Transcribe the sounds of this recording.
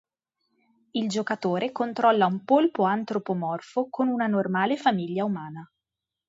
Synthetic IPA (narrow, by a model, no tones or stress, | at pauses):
ild͡ʒokat̪oːɾekont̪ɾɔlːaumpolpoant̪ɾopomɔrfokonunanormaːlefamiʎːaumaːna